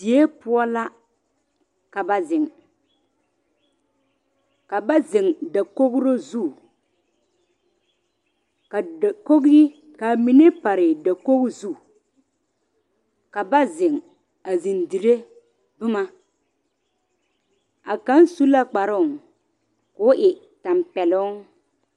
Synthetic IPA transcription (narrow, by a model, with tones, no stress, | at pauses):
di˨e˦pʊ˦ɔ˦la˦ | ka˨ba˨zɪ˨ŋ | ka˨ba˦zɪ˨ŋda˨ko˦ɡɾo˦zu˦˨ | kko˦ɡi˦ | ka˨mi˨ne˦pa˨ɾɪ˨da˨ko˦ɣzu˦˨ | ka˨ba˦zɪ˨ŋ | a˨zɪ˨ndi˨ɾe˦ | bʊ˦ma˦ | a˨ka˦n˦su˦la˦k͡pa˨ɾʊ˦˨ | kʊ˨˦ʔɪ˨ | ta˨mpɛ˨lʊ˦ŋ